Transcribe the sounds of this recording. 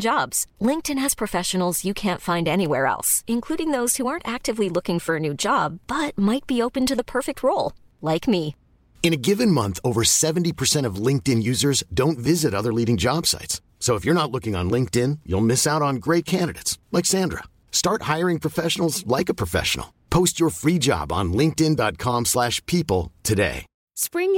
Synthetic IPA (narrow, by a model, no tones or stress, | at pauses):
d̥d͡ʒɑbz̥lɪ̃ŋk̚tɨ̃nɨz̥pʰɹ̥ɨfɛʃɨn̩l̩ˠzjɨkʰæ̃ntfãɪ̃ndɛniwɛɹɛ̰lˠsɨ̃nkʰl̥uɾɪ̃ŋðoʊz̥huɑɹntæk̚tɨvlilʊkɪ̃ŋfə˞ɨnʉd͡ʒɑbːʌt̚maɪt̚b̥ioʊpɨ̃ntɨðəpʰɜ˞fɨk̚t̚ʰɹoʊlˠ | laɪkmi | ɨ̃ñɨɡɪvɨ̃nmʌ̃nθoʊvə˞sɛṽn̩tipʰə˞sɛ̃ɾ̃ʌvlɪ̃ŋk̚tɨ̃njʉzə˞zdõʊ̃ntvɪzɨɾʌðə˞liɾɪ̃ŋd͡ʒɑb̥sa̰ɪts | soʊəfjə˞ñətˡlʊkɪ̃ŋə̰̃nlɪ̃ŋk̚tɪ̃njṵlˠmɪsaʊɾn̩ɡɹeɪt̚kʰæ̃ndɨɾḛɪtslɛksæ̃ndɹə̰ | stɑɹt̚haɪə˞ɪ̃ŋpʰɹ̥əfɛʃn̩l̩ˠzlaɪkəpʰɹ̥əfɛ̰ʃn̩̰l̩ˠpʰoʊst͡ʃə˞fɹid͡ʒɑ̰bn̩lɪ̃ŋk̚tɪ̃ndɑt̚kʰɑ̃mslæʃpʰipl̩ˠtʰɨdḛɪ | spɹɪ̃ŋ